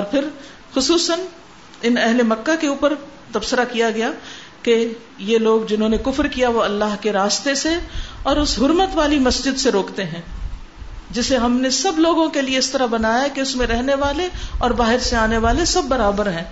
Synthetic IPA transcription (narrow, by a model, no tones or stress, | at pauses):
ɔːɾpʰɪɾ | xʊsuːsən | ɪnɛɦlemɐkːakeuːpəɾt̪ɐbsəɾakijaɡɐja | ke | jeloːɡd͡ʒɪnɦõːnekʊfɾkijaʋoɐlːaːɦkeɾaːst̪eseɔːɾʊsɦʊɾmət̪ʋaːlimɐsd͡ʒɪd̪seɾoːkt̪eɦɛ̃ː | d͡ʒɪseɦɐmnesɐbloːɡõkelieɪst̪ɐɾabɐnaːjaɦkeʊsmẽɾɛɦneʋaːleɔːɾbaːɦɪɾseaːneʋaːlesɐbːɐɾaːbəɾɦɛ̃ː